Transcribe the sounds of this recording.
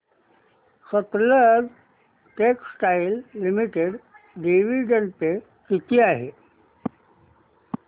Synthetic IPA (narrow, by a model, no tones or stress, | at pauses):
sət̪ləd͡z | ʈeksʈajilːimiʈeɖ | ɖiʋiɖəɳɖpe | kit̪ʰiːaɦe